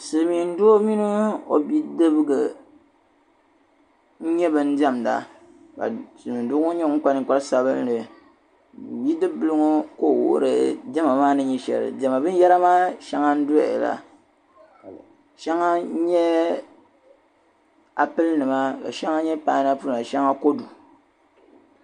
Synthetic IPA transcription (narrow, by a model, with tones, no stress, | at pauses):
sɨ˨mi˨n̩˦do˦o˦mi˦no˦o̰˨bi˦dɨ˦bɨ˦ɡɨ˨ | ɲ̩˦ɲɛ˦bɨ˦n̩˦dɛ˦m˨da̰˨ | ka̰˨sɨ˨mi˨n̩˦du˦ŋo˦ɲɛ˦ŋ̩˦ka˦nɨ˦ŋ˨k͡pa˦lsa˦bɨ˦lnɨ˨ | bi˦dɨ˦bɨ˨˦lɨ˦ŋo˦ko˦˨w̰o̰˦ɾɨ˨dɛ˦ma˨maː˦nɨ˦ɲɛ˦ʃɛ̰˨lɨ̰˨dɛ˨ma˨bɨ˦jɛ˦ɾa˦maː˦ʃa˦ŋa˦n̩˦dʊ˦˨ɛ˨la̰˨ | ʃa˦ŋa˦ɲɛ˦ | a˨pɨ˦lnɨ˨ma˦ka̰˨ʃa˦ŋa˦ɲɛ˦paː˦˨˦na˦pɨ˦la˨ʃɛ˦ŋa˦ko˦du˨